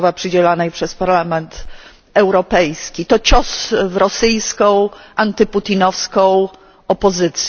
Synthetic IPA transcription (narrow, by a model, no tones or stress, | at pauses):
vapʂɘd͡ʑɛlanɛjpʂɛspaɾlamɛnt̪ | ɛwɾɔpɛjskʲit̪ɔt͡ɕɔsvɾɔsɘjskɔ̃w̃ʔant̪ɘput̪inɔfskɔ̃w̃ | ɔpɔzɘt̪sʲ